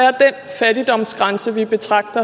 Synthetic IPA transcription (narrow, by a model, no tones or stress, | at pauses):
æɐd̥enfæɾ̥id̥ɒ̽m̰sɡ̥ʁɑ̈nsəʋib̥e̝t͡sʰʁɑ̈ɡ̥d̥ɐ